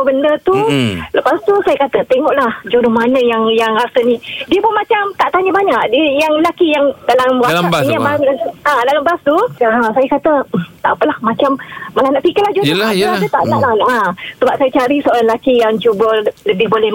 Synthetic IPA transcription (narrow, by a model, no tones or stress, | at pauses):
əbəndət̪uləpast̪usajakat̪ət̪eŋɔʔlahd͡ʒuɾomanəjaŋjaŋrasənidiəbumat͡ʃamt̪aʔt̪aɲəbaɲaʔdiəjaŋəlakijaŋdalamasaɲabaadalambast̪uasajakat̪ət̪a̰ʔpəlahmat͡ʃammalahnaʔpikɪlahd͡ʒuoaəadət̪a̰ʔnaʔlanʔasəbap̚sajat͡ʃaɾisəoɾanlakijaŋt͡ʃubələbɪhbolɛh